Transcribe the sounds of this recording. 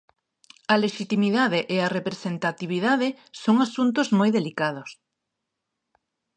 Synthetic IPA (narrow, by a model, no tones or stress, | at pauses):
ɐleʃit̪imiðaðeʔearepɾesent̪at̪iβ̞iðaðɪ | soŋasunt̪ozmojðelikað̞ʊs